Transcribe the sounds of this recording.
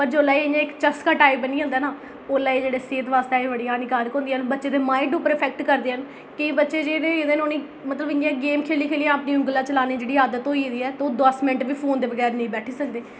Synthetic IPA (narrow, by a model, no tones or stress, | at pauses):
pəɾd͡ʒoːlaːeɪjãːɪkt͡ʃəskaːʈaːipbəniːãːnd̪aːnaː | oːlaːeːd͡ʒeːɽeːseːt̪ʋaːst̪aːeʋəɽiːaːniːkaːɾkɦõːnd̪iəːnbətːʃeːd̪eːmaːiʈupəɾəpʰɛːk̚ʈkəɾd̪eːɦən | kɪ̃bətːʃeːd͡ʒeːnẽːɪd̪ẽːnoːnĩː | mət̪ləbɪjãːɡeːmkʰeːliːkʰeːlijãːəpniːʊŋɡəlãːt͡ʃəlaːniːd͡ʒeːɽiːaːd̪ət̪ɦoːiːd̪iːɛːt̪oːd̪əsmɪ̃ɳʈʋiːpʰoːnd̪eːʋəɡɛːɾnəĩːbɛːʈʰiːsəkd̪eː